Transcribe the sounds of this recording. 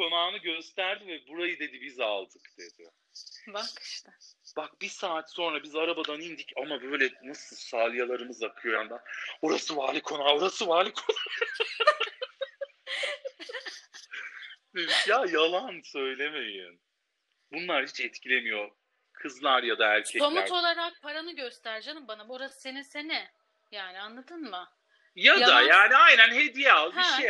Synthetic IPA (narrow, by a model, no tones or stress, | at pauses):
kʰo̞naːnɯɟø̞st̪ʰæɾd̪ivɛbuɾajɯd̪e̞d̪ibizalˠd̪ɯkd̪̥e̞d̪i | bakʃt̪ɛb̥ak̚bisaːt̪so̞nɾabizaɾabad̪anind̪icamabø̞jlʲɛnasɯlˠsaːlʲˠɯjalˠaɾɯmɯzakʰɯjo̞jand̪aoɾasɯvaːlʲikʰo̞naːoɾasɯvaːlʲikʰon | ijajalˠansø̞jlʲe̞me̞jḭn | bunlˠaɾhit͡ʃɛt̪cʰilʲe̞mijo | kʰɯzlˠaɾjad̪aæɾcʰɛomuo̞lˠaɾak̚pʰaɾanɯɟøst̪ʰæɾd͡ʒanɯmbanaboɾasse̞nisenɪ | jaːnɪanlˠad̪ɯnmɯ | jad̪ajaːniajnænɦe̞d̪ijɛalˠʃej